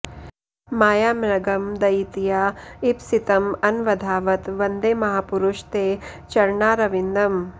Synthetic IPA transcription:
maːjaːmɾɐɡɐmd̪ɐjit̪ijaːipsit̪ɐmɐnʋɐd̪ʱaːʋɐt̪ʋɐnd̪eːmɐɦaːpuɾuʃt̪eː | t͡ʃɐɾɳaːɾɐʋind̪ɐm

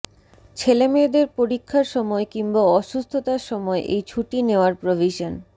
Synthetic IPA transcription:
t͡ɕʰelemed̪eɾpoɾikʰːaɾʃɔmɔekimbaɔʃust̪ʰot̪aʃɔmɔeʔejt͡ɕʰuʈineoaɾpɾobʱiʃon

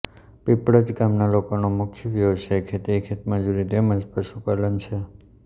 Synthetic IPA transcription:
pipɽəd͡ʒɡamnalokonomʊkʰjʋjəʋʃekʰet̪ikʰet̪məd͡ʒuɾit̪eməd͡ʒpəʃupalənt͡ʃʰe

